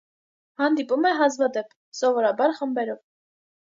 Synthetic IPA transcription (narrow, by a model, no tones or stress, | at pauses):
hɑnd̪ipumɛɦɑzvɑd̪ɛpʰ | sɔvɔɾɑbɑɾχəmbɛɾɔv